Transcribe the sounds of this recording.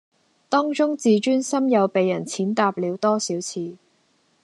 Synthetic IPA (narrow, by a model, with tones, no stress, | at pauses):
t̪ɔː˥ŋt͡ʃʊ˥ŋt͡siː˨˧t͡ʃyː˥nsɐ˥mjɐ˨˧wpe˨jːɐ˨˩nt͡sʰiː˨˥nt̪aː˧p̚liː˨˧wt̪ɔː˥siː˨˥wt͡sʰiː˨˧